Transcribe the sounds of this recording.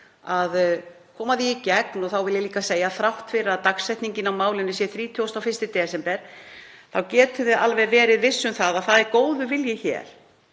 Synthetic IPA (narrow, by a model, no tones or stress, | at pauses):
að | kʰɔːmaðiicɛknɔθawvɪljɪliːkaseːjaθɾawht̪fɪɾɪɾaðt̪aksɛjht̪niɲcɪnawmaːwlɪnːʏsjɛθɾiːt̪ʰʏwst̪awfɪst̪ɪt̪ɛːsɛmpɛɾ̥ | θawcɛːt̪ʏðɪʔalvɛɾvɛːɾɪðvɪsːʏmθaðaθaðɛɾkoːwðʏvɪljɪçɛ̰ːɾ̥